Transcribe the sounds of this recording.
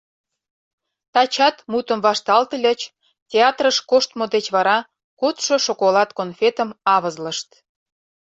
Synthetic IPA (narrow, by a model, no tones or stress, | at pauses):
t̪ɑt͡ɕɑt̪mut̪əmvɑʃt̪ɑlt̪əlʲət͡ɕ | tʲeɑt̪rəʃkoʃt̪mod̪et͡ɕβɑɾɑ | kot̪ʃoʃokolɑt̪konfʲet̪əmɑβəzlə̆ʃt̪